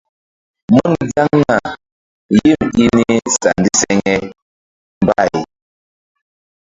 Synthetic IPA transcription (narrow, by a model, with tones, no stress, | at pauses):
mu˦nd͡ʒa˦ŋna˦˨ | ji˦˨mʔi˦ni˦sa˨ndi˦sɛ˦ŋɛ˦ | m˦ba˦˨